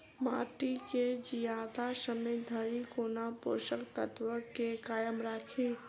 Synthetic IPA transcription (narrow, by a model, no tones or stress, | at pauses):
maːʈiked͡ʒijaːd̪asəmejd̪ʱəɾikoːnapo̰ːʃəkt̪ət̪wəkekaːjəmɾakʰiː